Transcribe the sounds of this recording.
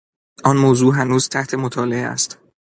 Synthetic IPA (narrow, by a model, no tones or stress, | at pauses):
ʔɒnmoːzuːɦænuːz̥t̪ʰæht̪ʰe̞mot̪ʰɒːleeæ̰st̪